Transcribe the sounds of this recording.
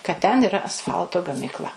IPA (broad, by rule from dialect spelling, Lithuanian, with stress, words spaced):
kɐt tʲɛn ɪˈrɐ ɐsˈfɐlˠtoː ɡɐmʲiːkˈlˠɐ